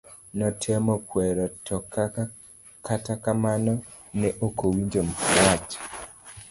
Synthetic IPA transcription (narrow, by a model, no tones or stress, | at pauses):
nɔtʰɛmɔkwɛɾɔtɔka | katakamanɔ | nɛʔokowiɲd͡ʒompwat͡ʃ